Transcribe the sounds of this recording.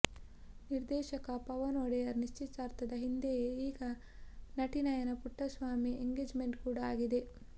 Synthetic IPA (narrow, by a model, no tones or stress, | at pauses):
niɾd̪ɛːʃɐkɐpɐʋɐnoːɽejɐɾniʃt͡ʃit̪saːɾt̪ɐd̪ɐɦind̪ejeiːɡɐ | nɐʈinɐjɐnɐpuʈːɐsʋaːmieŋɡeːd͡ʒmeɳʈkuːɽɐaːɡid̪e